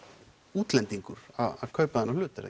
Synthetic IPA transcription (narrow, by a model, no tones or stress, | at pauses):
uːt̪lɛnt̪iŋkʏɾ̥a̰ðav̥kʰœːɥpaðɪnːalʏːt̪ɾa̰